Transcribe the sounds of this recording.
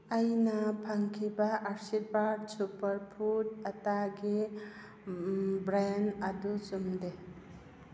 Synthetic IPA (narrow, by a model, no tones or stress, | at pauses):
ajnapʰaŋkʰibaʔːɾsit̚badsupɐɾpʰutɐtaɡi | bɾanɐdusumde